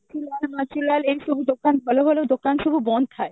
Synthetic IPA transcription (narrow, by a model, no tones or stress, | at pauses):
at͡ʃʰilalmat͡ɕilalejʃubʱud̪okanbʱɔloɦoled̪okanʃubʱubɔnd̪ʰae